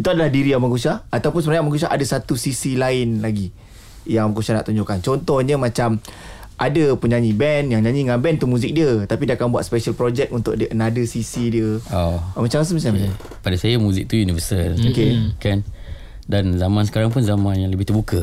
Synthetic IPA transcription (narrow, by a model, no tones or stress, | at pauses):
it̪uadalahdiɾiamaŋkusaat̪awpʊnsəmɾaɲaʔmãŋkus̬aʔa̰dasat̪usisilaɪnlaɡi | jaŋamaŋkusahna̰ʔt̪uɲd͡ʒoʔkant͡ʃɔnt̪ɔhɲəmãt͡ʃam | ʔadapuɲaɲĩbɛnjaŋɲaɲĩŋanbɛnt̪umũzɪk̚diət̪apidiakanbuat̪̚spɛʃəlpɾod͡ʒɛk̚unt̪ʊʔ̚dəʔənadəsisidiəomat͡ʃamas̬əmisaməɲaɲ | padasajamuzɪk̚t̪ujunivəsəlokekan | danzamãnsə̥kaɾaŋp̬unzamãnjaŋləbɪht̪ərbukə